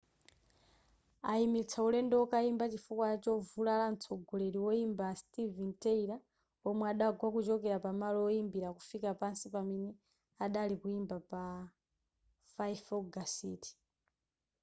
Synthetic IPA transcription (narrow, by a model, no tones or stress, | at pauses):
aimit͡sʰaulɛndɛɔkaimbat͡ʃifukwaat͡ʃɔvulalant͡sʰɔɡɔlɛɾiwɔimbastivintɛiɾa | ɔmwɛaɗaɡwakut͡ʃɔkɛɾapamalɔːimbiɾakufikapansipamɛnɛ | aɗalikuimbapa | faifɔɡasiːti̥